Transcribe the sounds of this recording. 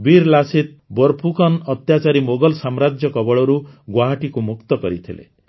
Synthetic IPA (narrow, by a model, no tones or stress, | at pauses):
biɾlasit̪̚bɔɾpʰukʰɔnɔt̪jat͡ʃaɾimoɡɔlsamɾad͡ʒjɔkɔbɔɭɔɾuɡwaɦaʈikumukt̪ɔkɔɾit̪ʰilḛ